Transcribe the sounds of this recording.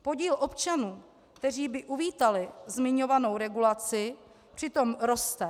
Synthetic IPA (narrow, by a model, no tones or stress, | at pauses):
po̞ɟiːlʔo̞pt͡ʃanuː | kt̪ɛr̝iːbɪʔuviːt̪alɪzmɪɲo̞vano̞wɾɛɡulat͡sɪ | pr̝̥ɪt̪o̞mɾo̞st̪ɛ